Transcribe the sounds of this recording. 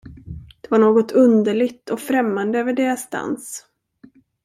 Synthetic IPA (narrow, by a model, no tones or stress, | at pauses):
d̪̥ɛvaɳoːɡɔt̪ʰɵnd̪əɭɪɡt̪ʰɔkfɾɛmːand̪əøːvəɖeːɾasːt̪a̰ns